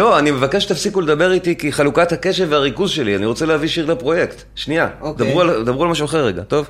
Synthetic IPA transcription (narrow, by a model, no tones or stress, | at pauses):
lo̞anime̞vakeʃet̪afsikuled̪abe̞ʁit̪ikiχalukat̪hake̞ʃeveaʁikuzʃe̞lianiʁot͡selehaviʃiʁlepʁo̞jekt̪ʃniad̪abʁuald̪abʁualmaʃuaχeʁːeɡa̰t̪o̞v